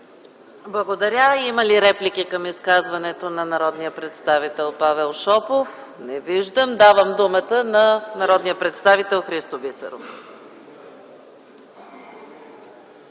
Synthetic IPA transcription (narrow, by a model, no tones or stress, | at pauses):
blˠəɡod̪ɐɾʲaiməliɾɛplik̟ikəmiskazvɐnɛt̪onɐnɐɾɔd̪nijəpɾɛt̪st̪avit̪ɛlˠpavɛlˠʃɔpof | nɛviʒd̪əmd̪avəmd̪umət̪ənɐnɐɾɔd̪nijəpɾɛt̪st̪avit̪ɛlˠxɾist̪obisə̰ɾo̰f